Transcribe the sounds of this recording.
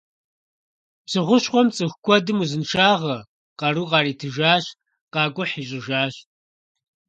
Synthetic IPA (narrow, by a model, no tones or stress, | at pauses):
psɨʁʷʊɕχʷɔmt͡sʼɨxkʷʰɔdɨmuzɨnʂaːʁɐ | qɑɾuːqɑːriːtʰɨʒaːɕ | qɑːkʷʼʊħiːɕʼɪʒaːɕ